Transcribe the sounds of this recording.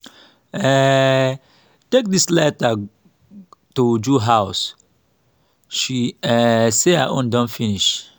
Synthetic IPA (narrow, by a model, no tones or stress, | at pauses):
ɛ | tek̚dislɛta | tud͡ʒuɦaʊs | ʃiɛsehaʔõ̰ndɔ̃nfiniʃ